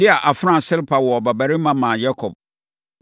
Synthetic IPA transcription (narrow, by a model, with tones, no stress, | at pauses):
dɪ˦a˨ʔa˨fã˦˨sɪ˦lpʰa˨wɔ˨bæ˨bæ˨ɾɪ˦mã˦mã˨ja˦kʰɔ˨b̚